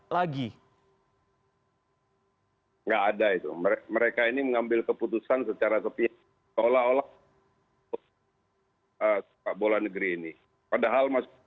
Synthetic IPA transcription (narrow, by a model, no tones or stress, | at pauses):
laɡi | ŋɡaʔːdait̪uməeməɾekainiməŋambɪlkəput̪usansət͡ʃaɾasəpi | olaola | ə | abolanəɡəɾiːni | padaɦalmas